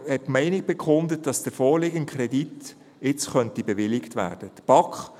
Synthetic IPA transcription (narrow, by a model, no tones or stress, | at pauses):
hɛtmɛɪnɪk̚b̥ɛkχʊndət̚d̥ɑsd̥əfɔːɾlɪɡənkʰχɾɛdit | ɪt͡sχœntibɛʋɪlɪktvæ̰ːd̥əd̥əb̥ɑkχ